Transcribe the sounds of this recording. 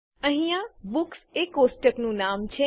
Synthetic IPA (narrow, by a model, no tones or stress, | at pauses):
ə̃ɦĩjãbuksekosʈəknũnamt͡ʃʰe